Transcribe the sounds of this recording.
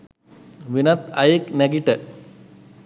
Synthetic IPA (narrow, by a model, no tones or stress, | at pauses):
ʋinɐt̪ɐjekneɡiʈə